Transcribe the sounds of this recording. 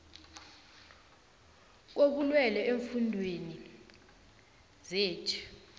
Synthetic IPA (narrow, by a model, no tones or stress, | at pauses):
k̬ok̬ulwɛlɛʔeɱfundʱweni | zeːt͡ʃʰi̥